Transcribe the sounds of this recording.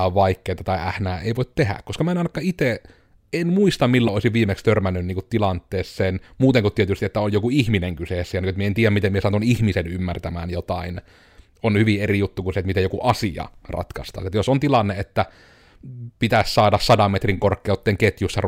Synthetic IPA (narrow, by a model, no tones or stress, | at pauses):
ɑʋʋɑikːeːt̪ɑt̪ɑiʔæhnæːḛˑiʋoˑit̪t̪ehæ̰kkoskɑmæˑenɑinɑkːˑɑit̪e | enmuist̪ɑmmilːooˑisiʋʋiːmekst̪ørmænːynniːŋkut̪t̪ilɑnt̪ːˑeːsːeːnmuːt̪eŋkut̪t̪ːiet̪yst̪iet̪ːæonjokuihmineŋkyseːˑsːæjɑnikot̪mieent̪iːjæmit̪emiesɑt̪unihmisenymːært̪æmæ̰ːnjot̪ɑin | onhyʋierijut̪ːukunset̪mit̪ejokuʔɑsiɑ̰rɑ̰t̪kɑ̰st̪ɑ̰ːset̪josont̪ilɑnːeet̪ːæ | pit̪æssɑːdɑssɑdɑmːet̪riŋkorkːeut̪ːeŋket̪jusːɑr